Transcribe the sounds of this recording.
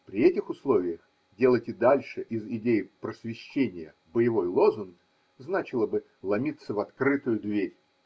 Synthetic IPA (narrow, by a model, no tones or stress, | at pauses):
pɾʲɪɛtʲɪxʊslˠo̞vʲɪjəx | dʲe̞lˠətʲɪd̪alʲʂɨʔɪzɪdʲejɪpɾəsvʲɪɕːenʲɪjə | bəjɪvo̞jlˠo̞zʊnɡ | znat͡ɕɪlˠəbɨ | lˠɐmʲit̪səvɐt̪kɾɨt̪ʊjʊd̪vʲeɾʲ